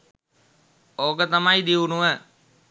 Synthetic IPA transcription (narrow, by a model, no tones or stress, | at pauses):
oːɡət̪ɐmaid̪iunuʋə